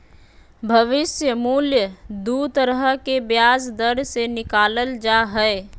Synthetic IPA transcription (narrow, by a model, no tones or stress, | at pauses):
bʱəʋɪsjəmuljəd̪ut̪əɾəɦəɦkebjasd̪əɽsenɪkaːləld͡ʒaɦəe